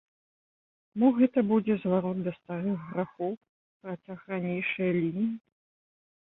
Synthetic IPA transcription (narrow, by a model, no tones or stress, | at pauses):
muɣɛt̪ɐbud͡zʲɛzvaɾɔd̪̚d̪ɐst̪aɾɨxɣɾaxɔw | pɾɐt͡sʲaxɾanʲejʂɨjɐlʲinʲiji